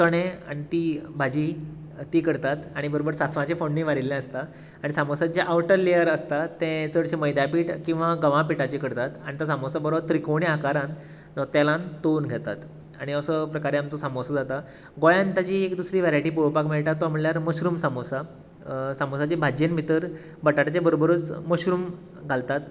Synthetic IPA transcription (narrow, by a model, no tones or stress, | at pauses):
t̪əɽ̃ẽa̰ɽ̃it̪ibʱad͡ʑiː | t̪iːkəɽt̪at̪aɽ̃ibəɾobəɾsat͡sʋãt͡ɕefoɳːiːʋaɾilːɛ̃əst̪a | aɽ̃isamosad͡ʑjaʔaʋʈəɾlejəɾəst̪at̪ẽt͡səɽɕeməjd̪japiːʈkĩw̃ʋaɡəʋãpiʈat͡ɕekəɽt̪at̪aɽit̪asamosabəɾobt̪ɾikoɳjakaɾãn | d͡zɔt̪jalãnt̪onɡʱet̪a̰t̪ | aɽ̃iəsəpɾəkaɾeamt͡səsamosad͡zat̪a | ɡojãnt̪at͡ɕiːekd̪usɾiːʋeɾajʈiːpopakmiɭʈ̪at̪ːoam̤uɭljaɾməɕɾuːmsamosa | samosat͡ɕebʱad͡ʑenbʱit̪əɾ | bəʈaʈat͡ɕebəɾobəɾuːt͡sməɕɾuːm | ɡʱalt̪at̪